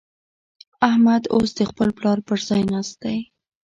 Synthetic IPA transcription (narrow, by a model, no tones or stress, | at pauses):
ahmad̪osd̪əxpəlplɑɾpəɾzɑjnɑsd̪aj